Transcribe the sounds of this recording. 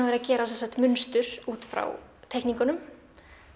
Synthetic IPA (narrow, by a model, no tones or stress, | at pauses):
avɛɾacɛːɾas̬ɛmsaht̪mʏnst̪ʏɾ̥uːt̪fɾa̰wt̪ʰɛhkniŋkʏnʏm